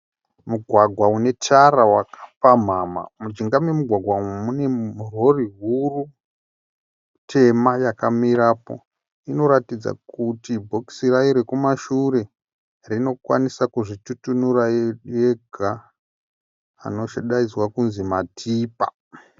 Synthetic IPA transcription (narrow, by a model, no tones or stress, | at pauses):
muɡʱwaɡʱwaune̞tʰaɾawakḁpam̤ama̰mud͡ʒiŋɡamemuɡʱwaɡʱwamune̞muro̞riɦuru | tʰe̞majakamiɾaːpo̞̰ | ino̞ɾatid͡za̰kutibʱo̞ki̥siraiɾekumaʃuɾe̞ | rino̞kwa̰nisakuʐitutunurajeɡʱa | no̞ʃeɗaizwakunzimatʰiːpa̰